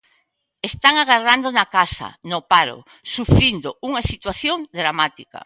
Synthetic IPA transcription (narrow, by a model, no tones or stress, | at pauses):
est̪aŋaɣaɾðand̪onakasɐ̰nopaɾo̰ | sufɾind̪ouŋasit̪waθjoŋd̪ɾamat̪ika̰